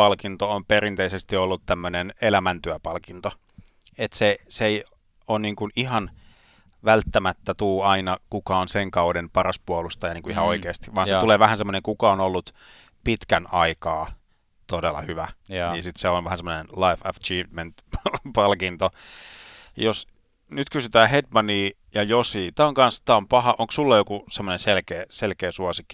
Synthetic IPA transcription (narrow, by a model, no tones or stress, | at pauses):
ɑlkint̪oomperint̪eisest̪iolːut̪t̪æmːønenelæmænt̪yæpɑlkint̪o | et̪sesei | onniːŋkuniɦɑn | ʋælt̪ːæmæt̪ːæt̪uːɑinɑkukɑonseŋkɑudempɑrɑspuolust̪ɑjɑniːŋkuihɑoikeːst̪i̥ʋɑːnseuleːʋæhænsemːoneŋkukɑonolːut̪ | pit̪kænɑikɑː | t̪odelːɑ̰hyʋænniːnsit̪seonʋæhænsemːonenlɑifɑ̰t͡ʃiːʋment̪pɑlkint̪o | jos | nyt̪kysyt̪æːhedmɑniː | jɑjosiːt̪æːoŋkɑnst̪æːompɑhɑʔoŋksulːɑjokusemːonẽnselkeːselkeːsuɑsikːi̥